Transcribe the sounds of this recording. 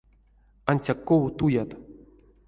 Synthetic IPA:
anʲsʲakːowut̪ujat̪

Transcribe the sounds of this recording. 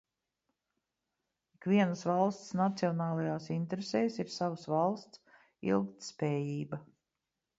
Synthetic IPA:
ikʋiɛnəsvalˠst̪snat̪siɔnaːlˠajaːsint̪eɾesɛːsiɾsavəsvalˠst̪s | ḭlˠk̚t̪spɛːjiːba

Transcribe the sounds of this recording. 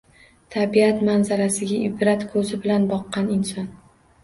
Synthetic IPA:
t̪ʰabiat̪manzaɾasɪɡʲaʔɪbɾat̪kʰɵzɪbɪlanbɒqːɑnɪnsɒn

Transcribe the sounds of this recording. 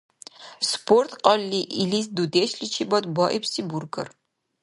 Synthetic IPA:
spʰort̪ʰqʼɐlːiʔilisd̪ud̪eːʃɬit͡ʃʰibɐtbɔʔipsiburɡɐ̰r

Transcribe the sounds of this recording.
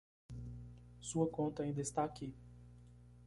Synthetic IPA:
suɐkõnt̪ɐaĩd̪ɐɪst̪aːki

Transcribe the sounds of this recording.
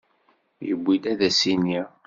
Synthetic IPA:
jəbʷːid̪æðæsini

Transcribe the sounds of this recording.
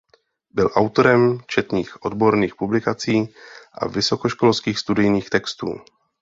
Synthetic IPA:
bɪlʔawt̪o̞ɾɛmt͡ʃɛt̪niːxʔod̪bo̞ɾniːxpublɪkat͡siːʔa̰vɪso̞koʃko̞lskiːxst̪udɪjniːxt̪ɛkst̪ṵː

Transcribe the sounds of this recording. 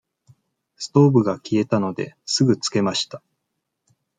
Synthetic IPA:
sɨ̥t̪o̞ːbɯ̟ɡakʲie̞t̪ano̞d̪e̞sɨɡɯ̟t͡sɨ̥ke̞maɕi̥t̪a

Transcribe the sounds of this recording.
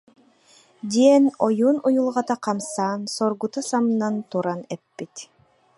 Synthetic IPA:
d̪ʲiɛnɔjuːnujulˠʁɑt̪aqɑmsaːnsɔɾɡut̪asamnant̪uɾanɛpːit̪

